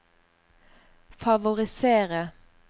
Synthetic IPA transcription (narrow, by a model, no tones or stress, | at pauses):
fɑʋʊʁɪseːʁə